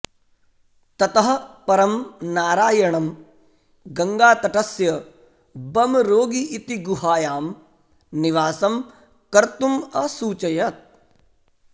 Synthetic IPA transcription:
t̪ɐt̪ɐɦɐ̆pɐɾɐmnaːɾaːjɐɳɐm | ɡɐŋɡaːt̪ɐʈɐsjɐ | bɐmɾoːɡiʔːt̪iɡuɦaːjaːm | niʋaːsɐm | kɐɾt̪umɐsuːt͡ʃɐjɐt̪̚

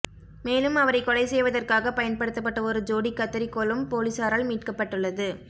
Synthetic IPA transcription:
meːlɯmɐʋɐɾɐɪkːɔɭɐɪsɛjʋɐðɐrkaːɣɐpɐjɐnpɐɽɯt̪ːɐp̬ːɐʈːɐɔɾɯd͡ʒoːɽikːɐt̪ːɐɾikːoːɭɯmpoːlisaːɾaːlmiːʈkɐpːɐʈːɯɭːɐðɯ

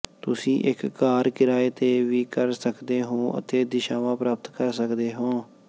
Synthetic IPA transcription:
t̪ʊsĩːʔɪkːaːɾkɪɾaːeːt̪eːʋiːkəɾsəkd̪eːɦõːʔə̰t̪eːd̪ɪʃaːʋãːpɾaːp̚t̪kəɾsəkd̪eːɦõː

